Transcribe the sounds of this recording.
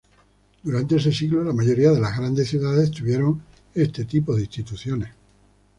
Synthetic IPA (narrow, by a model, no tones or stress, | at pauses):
d̪̥uɾant̪e̞ese̞siɣlolamaʝo̞ɾiaðe̞lazɣɾand̪e̞sθjuðaðe̞st̪uβje̞ɾo̞ŋ | e̞st̪et̪ipoðeist̪it̪uθjo̞ne̞s